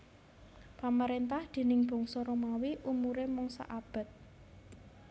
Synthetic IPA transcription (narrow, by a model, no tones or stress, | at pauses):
paməɾent̪ahd̪̥e̤nɪŋb̥ɔ̤ŋsɔɾomawiʔumuɾemɔŋsa̰ʔab̥ə̤t̪̚